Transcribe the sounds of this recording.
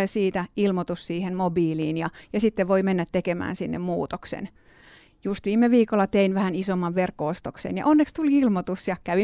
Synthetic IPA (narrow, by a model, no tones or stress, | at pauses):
esiːt̪æilmot̪ussiːhenmobiːliːnjɑjɑsit̪ːeʋʋoimenːæt̪tekemæ̰ːnsinːḛmmuːt̪oksḛn | just̪ʋiːmːeʋiːkolːɑt̪einʋæhænisomːɑʋʋerkːoost̪oksḛːnjɑ̰ʔonːekst̪uliilmot̪usjɑkæʋi